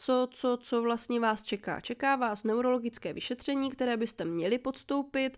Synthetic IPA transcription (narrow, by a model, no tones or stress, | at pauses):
t͡so̞t͡so̞t͡so̞vlast̪ɲɛvaːst͡ʃɛka̰ːt͡ʃɛkaːvaːsnɛwɾo̞lo̞ɡɪt͡skɛːvɪʃɛt̪r̝̥ɛɲiːkt̪ɛɾɛːbɪst̪ɛmɲɛlɪpo̞t̪st̪o̞wpɪt̪